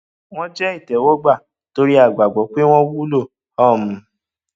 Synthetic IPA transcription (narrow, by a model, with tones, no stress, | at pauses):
w̃ɔ̃˦d͡ʒɛ˦i˦˨tɛ˨˦wɔ˦ɡ͡ba˦˨ | to˧ɾi˦a˦˨ɡ͡ba˨ɡ͡bɔ˨˦k͡pe˦w̃ɔ̃˦wu˦lo˦˨ | ɔ˦˨m̩̃˨˦